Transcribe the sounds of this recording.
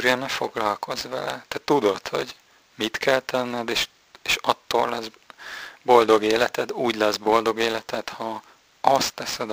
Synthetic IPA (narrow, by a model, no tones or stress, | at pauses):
ɾɛnɛfoɡlɒlkʰo̞zvɛlɛt̪ɛt̪ud̪o̞t̪ho̞̰ɟ | mit̪kɛlt̪ɛnːɛd̪eːʃ | eːʃɒt̪ːoːllɛz | bo̞ld̪o̞ɡeːlɛt̪ɛd̪uːɟlɛzbo̞ld̪o̞ɡeːlɛt̪ɛt̪hɒ | ɒst̪ːɛsɛd̪